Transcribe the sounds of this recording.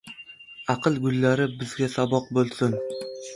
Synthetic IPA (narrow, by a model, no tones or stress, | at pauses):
ɑqʰɨlˠɡʊlːaɾɪbɪzɡʲasabɒq̚bolˠsɪn